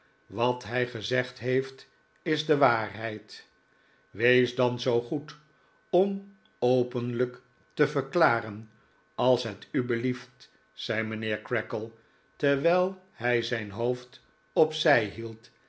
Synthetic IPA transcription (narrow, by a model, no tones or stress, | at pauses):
ʋɑtɦɛjχəzɛχtɦejft | ɪzdəʋaːrɦɛjt | ʋejzdɑnzowχut | ɔm | owpənlək | təvəɹklaːrən | ɑlˠsɦətybəlift | sɛjmənɪːɹkɹɛkəlˠ | tɛɹʋɛjlˠ | hɛjzɛjnɦowft | ɔpsɛjɦilˠt